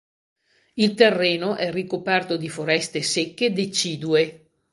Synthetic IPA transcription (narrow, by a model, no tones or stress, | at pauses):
ilt̪erːeːnoʔɛrikopɛrt̪od̪ifoɾɛst̪esekːed̪et͡ʃiːd̪ue